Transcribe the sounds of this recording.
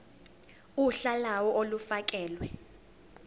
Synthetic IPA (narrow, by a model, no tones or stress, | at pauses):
uɬalawɔʔolufak̬ʼɛːlwɛ